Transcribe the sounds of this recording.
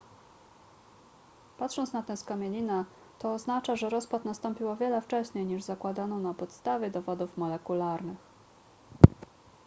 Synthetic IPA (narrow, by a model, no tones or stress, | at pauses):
pat̪ʂɔnt̪snat̪ɛ̃skamʲjelʲina | t̪ɔːznat͡ʂaʐɛɾɔspat̪nast̪ɔmpʲiwɔvʲjɛlɛft͡ʂɛɕɲejɲiʐzakwad̪anɔ̃w̃napɔt̪st̪avʲjɛd̪ɔvɔd̪ufmɔlɛkulaɾnɘx